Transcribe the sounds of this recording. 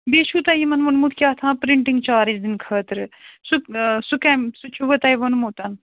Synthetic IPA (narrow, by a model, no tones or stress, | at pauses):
beːʃʰuːt̪ɐjimɐnʋɐnmut̪ʰkʲjaːt̪ʰãːpɾiɳʈiŋɡt͡ʃaːɾisd̪inkʰɐːt̪ɾsuksukɛːmsut͡ʃʰuʋɐt̪ɐːjʋɐnmuːt̪ɐn